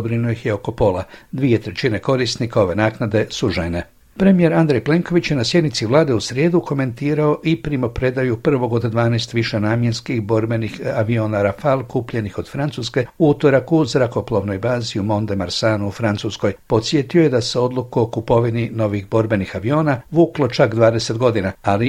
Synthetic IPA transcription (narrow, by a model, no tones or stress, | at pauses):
bɾinojixjeo̞ko̞po̞lad̪ʋie̞t̪ɾe̞t͡ʃine̞ko̞ɾisnikao̞ʋe̞naːknad̪e̞suʒḛne̞ | pɾe̞mije̞ɾand̪ɾejple̞ŋko̞ʋit͡ɕjenasje̞d̪nit̪siʋlˠaːd̪e̞usɾje̞ːd̪ukʰo̞me̞nt̪iːɾao̞ʔipɾimopɾe̞d̪ajupr̩ʋo̞ɡo̞d̪d̪ʋaːnɛjst̪ʋiʃe̞naːmje̞nskixbo̞ɾbe̞nixaʋio̞ːnaɾafalˠkuːpʎe̞nixo̞d̪fɾansuːske̞uut̪oɾakuzɾako̞plˠoʋno̞jbaːziumo̞nd̪e̞maɾsaːnuufɾant̪susko̞jpo̞t̪sje̞t̪ioje̞d̪ase̞o̞d̪lˠukuokupo̞ʋinino̞ʋiɣbo̞ɾbe̞nixaʋio̞ːnaʋuːklˠo̞t͡ʃakd̪ʋaːd̪e̞se̞t̪ɡo̞d̪inaali